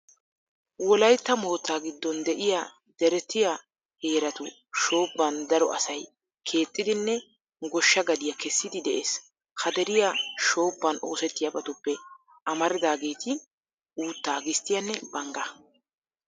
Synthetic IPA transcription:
wɔlɐjt̪ːɐmo̞ːt̪ːaːɡɪd̪ːɔnd̪ɛʔɪja | d̪ɛɾɛt̪ːɪja | he̞ːɾɐt̪ʊ | ʃo̞ːbːɐnd̪ɐɾɔʔɐ̰sɐj | kʰe̞ːt͡sʼːɪd̪ɪnːɛ | ɡɔʃːɐɡɐd̪ɪjɐkɛsːɪd̪ɪd̪ɛʔeːs | hɐd̪ɛɾɪjaʃo̞ːbːɐno̞ːsɛt̪ːɪjɐbɐt̪ʊpːɛ | ʔɐmɐɾɪd̪aːɡe̞ːt̪ʰɪ | ʔuːt̪ːaːɡɪst̪ːɪjɐnːɛbɐŋɡɐ

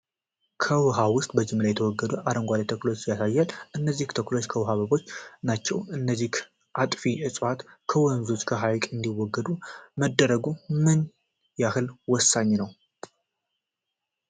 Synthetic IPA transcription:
kʰəwɨɦawʊst̪ʼbəd͡ʒɪmːlajɛt̪ʰəwɔɡːəd̪uʔaɾəŋɡʷalit̪ʰəklot͡ʃjasajːalʔɨnːəzːiht̪ʰəklot͡ʃːkʰəwɨɦaβəβo̞t͡ʃːnat͡ʃːɛ̰wɨnːəzːik | ʔat̪ʼfiʔɨsʼwat̪kʰəwɔnzot͡ʃːkʰəɦajkʼɨnd̪iwːɔɡːəd̪uməd̪ːəɾəɡumɨn | jahɨlwɔsːaɲːnəw

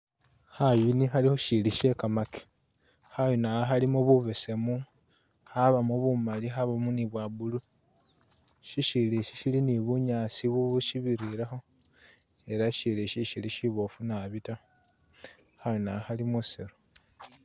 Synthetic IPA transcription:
hajinixalixo̞ʃiliʃe̞kamaki̥ | hajonaaxalimuβuβese̞mu | haβamuβumalixaβamuniβwabulu | ʃiʃiliʃisiliniβuɲaːsiβuβuʃiβiɾiɾaxo̞ | e̞ɾaʃiliʃiʃiliʃiβofunaβita | hajonaaxalimuseɾo

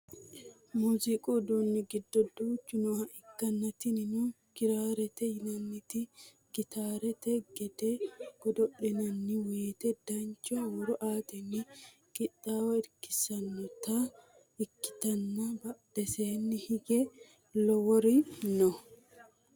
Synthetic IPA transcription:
muːzɪkʼɔd̪onːɪɡɪd̪ːɔd̪uːt͡ʃːʊnʊhɐʔɪkːɐnːɐt̪ɪnɪnu | ɡ̥ɪɾaːɾɛt̪ɛjɪnɐnːɪt̪ɪ | ɡ̥ɪt̪aːɾɛt̪ɛɡɛd̪ɛɡ̥ɔd̪ɔʔːɪnɐnːɪweːt̪ɛd̪ɐnt͡ʃːɔwɔɾɔʔaːt̪ɛnːɪ | kʼɪɗaːwɐɪɾkːɪ̥sɐnːɔt̪ɐ | ɪkːɪ̥t̪ɐnːɐbɐɗɛseːnːɪhɪɡɛ | lɔwɔɾɪnɔ

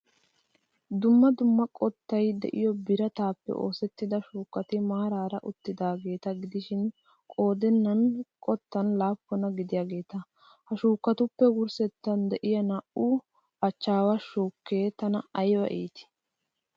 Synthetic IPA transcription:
d̪ʊmːɐd̪ʊmːɐkʼɔt̪ːɐjd̪ɛ̰ʔɪjɔbɪɾɐt̪aːpːɛ̰ʔo̞̰ːsɛt̪ːɪd̪ɐʃuːkːɐt̪ɪmaːɾaːɾɐʔʊt̪ːɪd̪aːɡe̞ːt̪ɐɡɪd̪ɪʃɪn | kʼo̞ːd̪ɛnːɐnkʼɔt̪ːɐnlaːpːɔnɐɡɪd̪ɪjaːɡe̞ːt̪ɐ | hɐʃuːkːɐt̪ʊpːɛɡʊɾsɛt̪ːɐnd̪ɛʔɪjɐnɐʔu | ɐt͡ʃːaːwaʃuːkːeːt̪ɐnɐɐjwɐ̰ʔḛːt̪ɪ̥

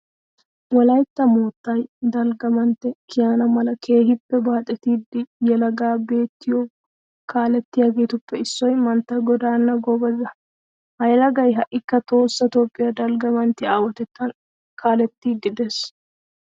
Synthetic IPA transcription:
wɔlɐjt̪ːɐmoːt̪ːɐjd̪ɐlɡɐmɐnt̪ːɛkɪjaːnɐmɐlɐkʰe̞ːhɪpːɛbaːt̪ʼɛt̪iːd̪ːɪjɛlɐɡaːbe̞ːt̪ːɪjoː | kaːlɛt̪ːɪjaːɡeːt̪ʊpːɛɪsːɔjmɐnt̪ːɐɡɔd̪aːnːɐɡɔbɐzɐ | hɐjlɐɡɐjɦɐʔːɪkːɐt̪o̞ːsːɐt̪o̞ːpʼːɪjɐd̪ɐlɡɐmɐnt̪ːɪaːwɐt̪ɛt̪ːɐn | kʰaːlɛt̪ːiːɡɪd̪eːs

